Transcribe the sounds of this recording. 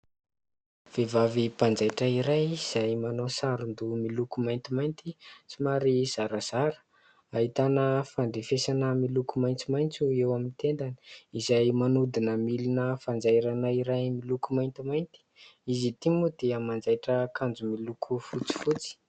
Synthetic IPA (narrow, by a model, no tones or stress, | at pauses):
v̥evavipand͡zajʈ͡ʂəiɾajiz̥ajmanosaɾund̪umilukumajnt̪imajnt̪it͡simaɾiz̥aɾaz̥aɾə̥ | aɦit̪anəfaɳɖ͡ʐefesanəmilukumajnt͡simajnt͡suewamint̪end̪ani̥izajmanud̪inəmilinəfand͡zajɾanaiɾajmilukumajnt̪imajnt̪i̥izit̪imud̪eamand͡zajʈ͡ʂəkand͡zumilukʰufut͡si̥fut͡si̥